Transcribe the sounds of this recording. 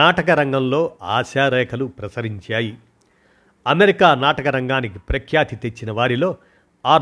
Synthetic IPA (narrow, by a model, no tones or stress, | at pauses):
aːʈɐkɐɾɐŋɡɐmlo̞ːa̰ːʃaːɾɛːkʰɐlupɾɐsɐɾiɲt͡ʃaːji | ɐmeɾikaːnaːʈɐkɐɾɐŋɡaːnikipɾɐkʰjaːt̪it̪e̞t͡ʃːinɐʋaːɾilo̞ː | aː